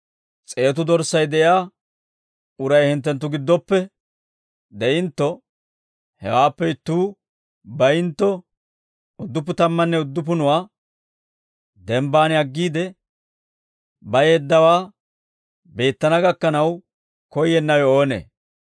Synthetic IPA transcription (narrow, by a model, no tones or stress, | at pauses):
t͡sʼe̞ːt̪ʊd̪ɔɾsːɐjd̪ɛʔjaː | ʊɾɐjhɪnt̪̬ːɛnt̪ːʊɡɪd̪ːɔpːɛ | d̪ɛʔɪnt̪ːɔ | hɛ̰waːpːɛɪt̪ːuː | bɐjɪnt̪ːɔ | ʊd̪ːʊp̬ːʊt̪ɐmːɐnːɛʊd̪ːʊp̬ʊnʊwaː | d̪ɛmbaːnɐɡːiːd̪ɛ | bɐjed̪ːɐwaː | be̞ːt̪ːɐnɐɡɐkːɐnɐw | kɔjːɛnːɐwɛo̞ːnḛː